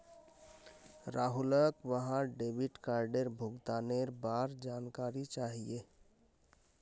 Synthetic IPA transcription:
ɾaɦuləkʋəɦãɖebiʈkaːɾɖeɾbʱʊɡt̪aneɾbaɾd͡ʒankaːɾit͡ʃaɦie

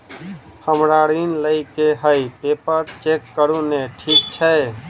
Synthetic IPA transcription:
həmɾaɾinləjkeɦəjpepəɾt͡ʃekːəɾũneʈʰik̚t͡ʃʰɛ

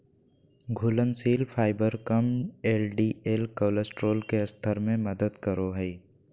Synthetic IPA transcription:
ɡʱʊlənsiːlpʰaːɪbəɾkəmeːlɖiːeːlkəːləsʈɾoːlkeɐst̪ʰəɾmẽməd̪əd̪kəɾoɦɛi

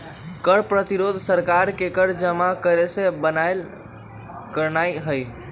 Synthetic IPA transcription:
kəɽpɾət̪iɾod̪ʱsəɾkaɾkekəɽd͡ʒəmakəɾesẽbənajl | kəɾnajɦəj

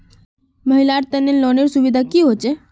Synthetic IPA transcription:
məɦilaɾt̪enelɔneɾsuʋid̪ʱakiɦot͡ʃe

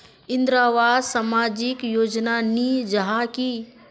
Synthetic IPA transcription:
ɪ̃nd̪ɾaːʋaːd̪samaːd͡ʒɪkjoːd͡ʒnanid͡ʒɐɦaki

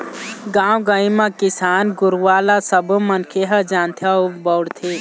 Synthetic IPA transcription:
ɡãːwɡəĩmãkɪsaːnɡʊɾʋaːlasɐbmɐnkʰeɦɐd͡ʒaːnt̪ʰaubɔwɽt̪ʰe

